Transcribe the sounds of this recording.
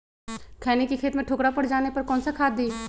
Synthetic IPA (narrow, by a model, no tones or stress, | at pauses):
kʰɛːnekikʰeːt̪mẽʈʰoːkɽapɐɽd͡ʒaːnepɐɾkɔ̃ːnsakʰaːd̪̚diː